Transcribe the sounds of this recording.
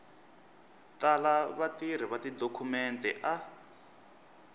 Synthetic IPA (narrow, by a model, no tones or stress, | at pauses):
talaβatiɾ̤iβatidokʰumɛntʼɛ̰ʔa